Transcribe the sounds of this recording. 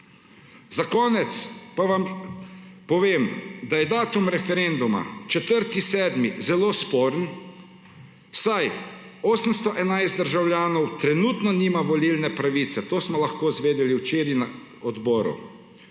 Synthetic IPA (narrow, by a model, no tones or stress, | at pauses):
zakɔːnɛt̪spaʋam | pɔʋeːmd̪ajɛd̪aːt̪umɾɛfɛɾend̪uma̰t͡ʃɛt̪əɾt̪isɛːd̪mizɛloːspoːɾən | saj | oːsəmst̪ɔʔɛnajst̪d̪əɾʒawlʲjaːnɔwt̪ɾɛnut̪nɔniːmaʋɔlilnɛpɾaʋiːt̪sɛt̪oːsmɔlaxkoːzʋeːd̪ɛliwt͡ʃeːɾina | ɔd̪bɔːɾṵ